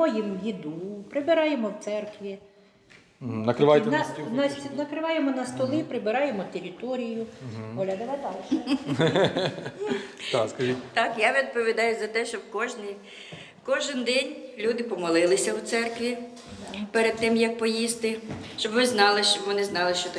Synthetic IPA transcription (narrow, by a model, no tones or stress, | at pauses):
mɔjimjid̪upɾɪbɪɾɑjemɔwt̪sɛrkʋʲi | ɦ̩nɐkɾɪʋɑj̪nɐsnɐnɐkɾɪʋɑjemɔnɐst̪ɔlˠɪpɾɪbɪɾɑjemɔt̪eɾʲɪt̪ɔɾʲijʊɔlʲɐd̪ɐʋɛd̪ɑlʲʃ | t̪ɑkskɐʒit̪ɑkjaʋʲid̪̚pɔʋʲid̪ɑjʊzɐt̪ɛʃt͡ʃɔbkɔʒnɪj | kɔʒɪnd̪ɛnʲlʲud̪ɪpɔmɔlˠɪlˠɪsʲɐwt̪sɛrkʋʲi | pɛɾed̪̚t̪ɪmjɐk̚pɔjist̪ɪʃt͡ʃɔbʋɪznɑlˠɪʃt͡ʃɔbʋɔnɪznɑlˠɪʃt͡ʃɔt̪